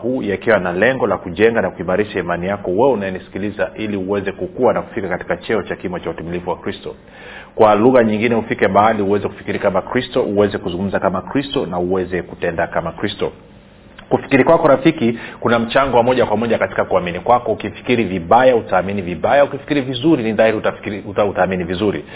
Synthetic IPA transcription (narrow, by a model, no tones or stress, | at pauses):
huːjakiwanalɛŋɡɔlakuʄɛŋɡanakuimaɾiʃaimanijakɔwɛunajɛnisi̥kilizaʔiliuwɛzɛkukuwanaku̥fikakati̥kat͡ʃɛɔt͡ʃakimɔt͡ʃautimilivuwakɾistɔ | kwaluɣaɲiŋɡinɛufikɛmaaliuwɛzɛku̥fi̥kiɾikamakɾistɔʔuwɛzɛkuzuŋɡum̩zakamakɾistɔnauwɛzɛkutɛndakamakɾistɔ | kufi̥kiɾikwakɔɾafikikunam̩t͡ʃaŋɡɔwamɔʄakwamɔʄakati̥kakuaminikwakɔukifi̥kiɾiviɓajautaːminiviɓajaukifi̥kiɾivizuɾiniðaiɾiutautaːminivizuɾḭ